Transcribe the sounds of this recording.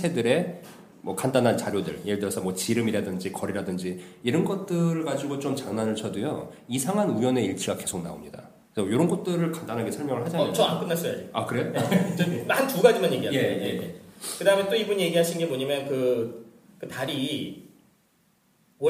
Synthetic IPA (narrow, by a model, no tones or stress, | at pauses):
sʰe̞dɯɾe̞ | mwʌkandanɦant͡ɕaɾjodɯ̰ɭjeɯɭdɯɾʌsʰʌmwʌt͡ɕiɾɯmiɾadɯnd͡ʑikʌɾiɾadɯnd͡ʑiiɾʌnɡʌt̚t͈ɯɾɯɭɡad͡ʑiɡot͡ɕomt͡ɕaŋnanɯɭt͡ɕʰʌdujʌ̰ | isʰaŋɦanujʌne̞iɭt͡ɕʰɯɡake̞sʰok̚na̰o̰mɲida̰ | kesʰʌjoɾʌnɡʌt̚t͈ɯɾɯɭkandanɦaɡesʰʌɭmjʌŋɯɭhad͡ʑanaʌank͈ɯnːas͈ʌjad͡ʑeakɯɾe̞jo | antuɡad͡ʑimanje̞ɡiɦaje̞jekɯdamjʌnt͈oibuɲje̞ɡiɦaɕʰinnɡe̞boɲamjʌnkɯ | kɯtaɾi | wʌ